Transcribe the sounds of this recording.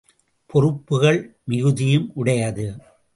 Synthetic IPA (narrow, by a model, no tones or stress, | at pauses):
pʰɔɾɯpːɯɣɐɭmɪɣɯðɪjɯmʔʊɽɐjɐðɯ